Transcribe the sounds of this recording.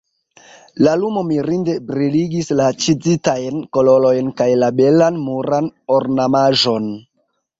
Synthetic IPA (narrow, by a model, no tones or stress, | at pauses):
lalumo̞miɾinde̞bɾiliɡislat͡ʃid͡zitajnko̞lo̞lo̞jnkajlabe̞lanmuɾanoɾnamaʒo̞n